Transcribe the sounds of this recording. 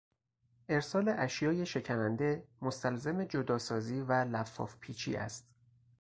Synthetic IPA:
ʔe̞ɾsɒːle̞ʔæʃjɒːje̞ʃe̞cʰænænd̪e̞mo̞st̪ælzemed͡ʒod̪ɒːsɒːziːvælæfːɒ̰ːfpʰiːt͡ʃʰḭːʔæ̰st̪

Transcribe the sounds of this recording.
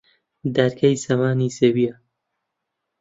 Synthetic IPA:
d̪aɾkʰɐjsɐmaːniːsebia

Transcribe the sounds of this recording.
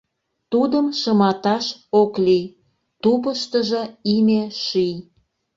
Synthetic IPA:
t̪ud̪əmʃəmɑt̪ɑʃokli | t̪upəʃt̪əʒə̆imeʃij

